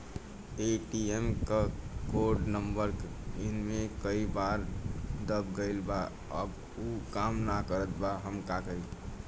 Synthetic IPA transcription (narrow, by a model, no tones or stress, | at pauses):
eʈiemkakoɾɖnəmbəɾk | ɪnmẽkəibaɾd̪əb̚ɡəɪlba | ə̰b | ukaːmnakəɾət̪baɦəmkakəi